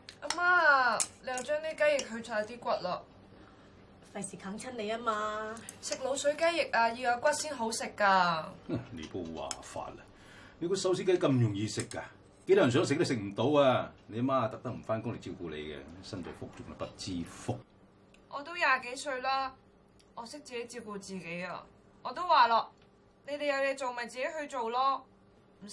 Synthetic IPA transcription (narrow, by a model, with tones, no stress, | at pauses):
ʔa˧maː˥˨le˨˧jɐ˧wt͡ʃœː˥ŋneː˥ka˥jɪ˨k̚ɦɵ˧t͡sʰɔː˧˥˧t̪iː˥kʷɐ˥t̚lɔː˨k̚ | fɐ˨jsiː˨kʰa˨˥ŋt͡sʰɐ˥nle˨jaː˥maː˧sɪ˨k̚lo˨˧wsɵ˨˥ɥka˥jɪ˨k̚aː˧jiː˨˧aː˨˧kʷɐ˥t̚siː˥nɦo˨˥wsɪ˨kːaː˧a˧nḛ˨˧jpo˧˥wwa̰ː˨˩fa̰ː˧t̚ɐ̥˧ | ne˨˧jkɔ˨˧sɐ˨˥ws̬iː˥k̪ːɐ˥kɐ˧mjʊ˨˩ŋjiː˨˧sɪ˨kːaː˧ | ke˧˥jt̪o˥jnsœː˨˥ŋsɪ˨k̚le˧˥ks̬ɪ˨k̚m̩˨˩t̪o˨˧˥waː˧ne˨˧jɐ˧˥maː˥˧t̪ɐ˨k̚t̪ɐ˥k̚m̩˨˩faː˥nkʊ˥ŋle˨˧t͡siː˧wkuː˧lḛ˨˧jkɛ̰˧sɐ˥nt͡sɐ̰˨˧jfʊ˥k̚t͡sʊ˨ŋɐ˨˩pɐ˥t̚t͡siː˥fʊ˥k̚ | ʔɔː˨˧t̪o˥wjaː˨˩ke˨˥jsɵ˧ɥlaː˥ | ʔɔː˨˧sɪ˥k̚t͡siː˨ke˨˥jt͡siː˧wkuː˧t͡siː˨˩ke˨˥ja̰ː˧ | ɔː˨˧t̪o˥waː˨laː˧ | ne˨˧jt̪e˨jɐ˧wjɛ˨˧t͡so˨wmɐ˨˩jt͡siː˨ke˨˥jhɵ˧ɥt͡so˨wlɔː˥ | m̩˨˩˥